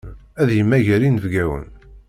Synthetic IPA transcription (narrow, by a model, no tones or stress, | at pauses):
æðjəmːæʝæɾinəvɡæwə̰n